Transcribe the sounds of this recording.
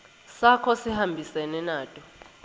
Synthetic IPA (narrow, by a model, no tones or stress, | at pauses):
sakʰɔsihambʱisɛnɛnaːtʼɔ